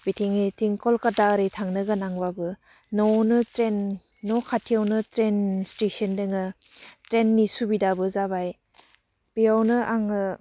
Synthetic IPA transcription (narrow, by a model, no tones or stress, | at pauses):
bitʰiŋitiŋkɔlkadaɾejtʰaŋnɯɡɯnaŋbabɯ | nɔwnɯtɾenː | ɔkʰatʰijawnɯtɾenstesəndɯŋɯ | tɾenːisubidabɯzaβaj | b̥ijawnɯʔaŋɯ